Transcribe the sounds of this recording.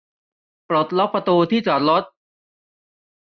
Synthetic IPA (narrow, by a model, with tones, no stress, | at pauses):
pɾo˨˩t̪̚lɔ˦˥pʰɾa˧t̪uː˧t̪ʰiː˥˩t͡ɕɔː˨˩t̪̚lo˦˥t̪̚